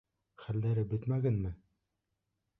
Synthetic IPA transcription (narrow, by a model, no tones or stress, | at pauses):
χælːæɾɘbɵ̆t̪mæɡænmɘ